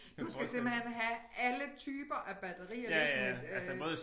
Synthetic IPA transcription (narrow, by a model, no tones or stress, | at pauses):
d̥usɡ̥æsemb̥lhen̰ɦæʔælət͡sʰyːb̥ɐʔæb̥æd̥ɐʁḭ̥ːlsəmɔːðˠ